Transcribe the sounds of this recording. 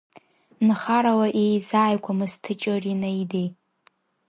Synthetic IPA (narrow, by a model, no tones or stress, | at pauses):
nχaɾawaʔejzaːjkʷʰamɨstʰɨt͡ʃʼorinajdej